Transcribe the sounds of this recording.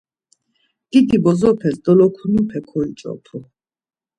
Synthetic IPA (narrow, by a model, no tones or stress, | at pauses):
ɡ̥id̪ibɔzɔpʰɛsd̪ɔlɔkʰunipʰɛkʰɔit͡ʃʼɔ̰pʰu